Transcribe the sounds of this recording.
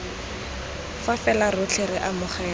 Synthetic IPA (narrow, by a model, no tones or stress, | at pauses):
fafɛlarʊt͡ɬʰeɾɪʔamʊχɛː